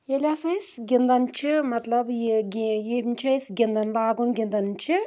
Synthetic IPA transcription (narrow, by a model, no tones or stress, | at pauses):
elʲaːsɐjsɡʲind̪ɐnt͡ʃʰimɐt̪lɐbɡijiːbnt͡ʃʰɐjsɡʲind̪ɐnbaːɡunɡʲind̪ɐnt͡ʃʰi